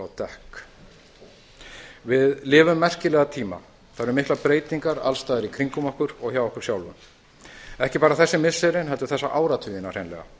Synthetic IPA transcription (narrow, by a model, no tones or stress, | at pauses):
awt̪ɛhk | vɪðlɪːvʏmːɛr̥cɪlɛːɣat̪ʰiːma̰ | θaðɾʏmɪhklapɾeːjt̪iŋkaɾa̰lst̪aːðɪɾikʰɾiŋkʏmɔhkʏɾɔɣçawɔhkʏɾsjaːwlvʏ̰m | ɛhcɪpaːɾaθɛsːɪmɪsɛɾɪnɦɛlt̪ʏɾ̥θɛsːaʔaːwɾat̪ʰyːjɪnar̥ejnlɛ̰ɣa̰